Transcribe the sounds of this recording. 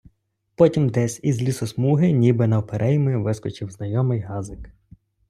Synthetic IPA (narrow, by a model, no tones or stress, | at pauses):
pɔtʲimd̪ɛsʲizʲlʲisɔsmuɦɪnʲibɪnɐɔpeɾʔɛjmɪʋɪskɔt͡ʃɪwznɐjɔmɪjɦɑzɪk